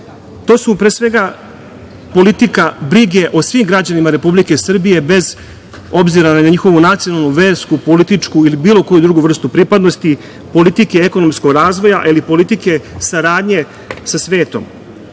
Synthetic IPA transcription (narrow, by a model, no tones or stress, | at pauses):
t̪o̞ːsupɾesʋe̞ɡa | po̞lit̪ikabɾiɡe̞ʔo̞sʋimɡɾad͡ʑanimaɾe̞publike̞sr̩bije̞be̞z | o̞bziɾanaɲaɲixo̞ʋunat̪sijo̞nalˠnuʋe̞ːɾskupo̞lit̪it͡ʂkuilibiːlo̞ko̞jud̪ɾuːɡuʋr̩st̪upɾipad̪no̞st̪i | po̞lit̪ikeeko̞no̞msko̞ɡɾaːzʋo̞jaʔilipo̞lit̪ike̞saɾaːd̪ɲe̞ | sasʋe̞ːt̪o̞̰m